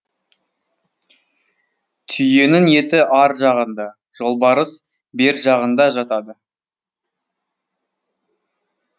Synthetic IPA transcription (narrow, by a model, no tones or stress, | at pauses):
t̪ʰʏje̞nɪŋje̞t̪ɪʔɑɾʒɑʁənd̪ɑ | ʒ̥o̞lˠbɑɾəs | be̞ɾʒɑʁənd̪ɑʒɑt̪ɑd̪ə